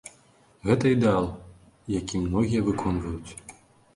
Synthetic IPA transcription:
ɣɛt̪ɐid̪ɛalˠ | jakʲimnɔɣʲijɐvɨkʰɔnvɐjut͡sʲ

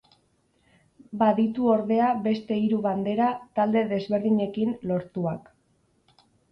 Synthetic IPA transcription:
baðit̪uo̞ɾðe̞aβe̞st̪e̞iɾuβand̪e̞ɾat̪ald̪e̞ðe̞zβe̞ɾðiɲe̞kinlo̞ɾt̪uak

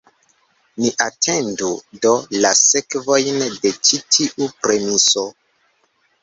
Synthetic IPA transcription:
niʔatʰe̞ndudo̞lase̞kvo̞jnde̞t͡ʃitʰiʔupɾe̞miso̞

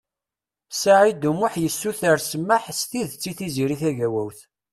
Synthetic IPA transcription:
saʕid̪umʊħjəsːuθəɾsəmːaħsθiðt͡sːiθiziɾiθæʝæwæwθ

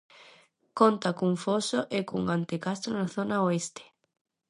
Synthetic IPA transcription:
kont̪akuŋfosoʔekuŋant̪ekast̪ɾonaθonaoest̪e̥

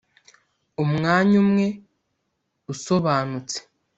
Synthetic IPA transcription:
umŋaːɲumŋe̞ | uso̞βaːnut͡se̥

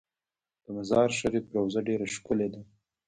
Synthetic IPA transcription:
d̪̥əmazɑɾʃaɾipɾawzaɖeɾaʃkʊled̪a

